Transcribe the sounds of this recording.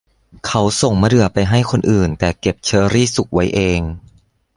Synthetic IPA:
kʰa˦˥wso˨˩ŋma˧dɯ˨˩ɐpa˧jɦa˥˩jkʰo˧nʔɯː˨˩nt̪ɛː˨˩ke˨˩p̚t͡ɕʰɤː˧ɾiː˥˩su˨˩k̚wa˦˥jʔeː˧ŋ

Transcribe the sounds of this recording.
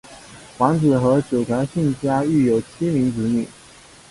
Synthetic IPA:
wɑ˧˥ŋt͡sɹ̩˨˩xɤ˧˥t͡ɕjo˨˩ʊt̪ʰjɑ˧˥ʊɕi˥˩ŋt͡ɕja˥y˥˩jo˨˩ʊt͡ɕʰi˥mi˧˥ŋt͡sɹ̩˧˥ni˨˩˦

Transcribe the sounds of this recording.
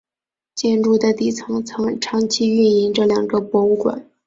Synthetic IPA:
t͡ɕjɛ˥˧nɻu˥˩d̪ə˨t̪i˥˩t͡sʰɤ˧˥ŋt͡sʰɤ˧˥ŋʈ͡ʂʰɑ˧˥ŋt͡ɕʰi˥y˥˩ni˧˥ŋʈ͡ʂɤ˥˩ljɑ˨˩ŋɡə˦pwɔ˧˥u˥˩kwa̰˨˩˦n

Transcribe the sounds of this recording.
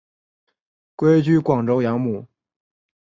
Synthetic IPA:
kwe˥ɪt͡ɕy˥kwɑ˨˩ŋʈ͡ʂo˥ʊjɑ˧˥ŋmu˨˩˦

